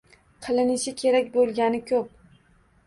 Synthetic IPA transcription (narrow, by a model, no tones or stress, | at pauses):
qʰɨlˠɪnɪʃɪkʲʰe̞ɾakʲbolˠɡʲanɪkʲʰɵp̚